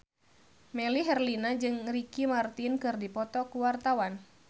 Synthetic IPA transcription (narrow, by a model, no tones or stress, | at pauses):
mɛliɦɛrlinad͡ʒɨŋɾikimart̪inkɨrdipɔt̪ɔkuwart̪awan